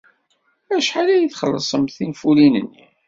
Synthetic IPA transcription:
æʃħalæjəθχəlːəsˤəmθinfulinə̰nːi

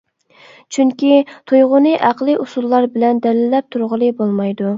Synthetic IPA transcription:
t͡ʃʰyŋkʲit̪ʰujʁʊnɨʔæqlˠɨʔusulˠːɑɾbɪlɛnd̪ɛlɪlːɛp̚t̪ʰuɾʁəlˠɨbolˠmɑjd̪u

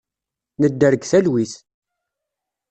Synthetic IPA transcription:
nəd̪ːəɾəɡθælwiθ

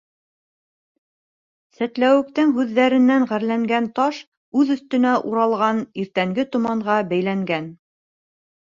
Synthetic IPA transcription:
sæt̪læwɘ̆k̚t̪ɘŋɦʉðːæɾɘ̆nːæŋʁæɾlæŋɡænt̪ɑʃ | ʉðɵ̆θt̪ɵ̆næʔuɾɑlˠʁɑniɾt̪æŋɡɘt̪ŏmɑɴʁɑbæjlæŋɡæn

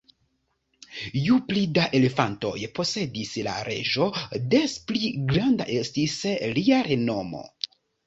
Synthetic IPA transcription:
juplidaʔe̞le̞fanto̞̰jpo̞se̞disla̰ɾe̞̰ʒo̞despliɡɾanda̰ʔe̞stisliaɾe̞no̞mo̞̰

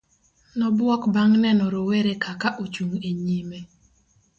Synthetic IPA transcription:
nɔbwɔkbaŋnɛnɔɾoweɾekakaʔot͡ʃuŋeɲime

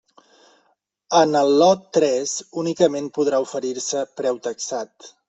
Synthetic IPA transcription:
ənəlˠːɔt̪ːɾɛzunikəmenpuðɾaufəɾiɾsəpɾɛwt̪əksat̪

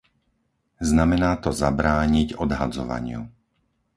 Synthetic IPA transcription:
znamɛnaːt̪ɔzabɾaːɲiɟɔd̪ɦad͡zɔʋa̰ɲɪṵ

